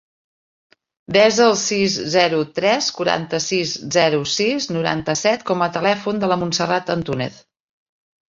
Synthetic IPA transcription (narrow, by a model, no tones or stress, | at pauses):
d̪ɛzəlˠsizzɛɾut̪ɾɛskuɾa̰nt̪əsizzɛɾusiznuɾa̰nt̪əsɛt̪kɔmət̪əlɛfund̪ələmunsərat̪ənt̪unɛ̰t̪